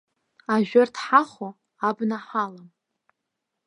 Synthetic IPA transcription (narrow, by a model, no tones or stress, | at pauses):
aʒᶣartʰħaχo | abnaħalam